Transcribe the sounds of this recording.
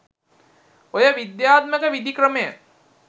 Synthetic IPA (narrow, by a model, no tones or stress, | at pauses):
ojəʋid̪jaːt̪̚məkəʋid̪ikɾəməjə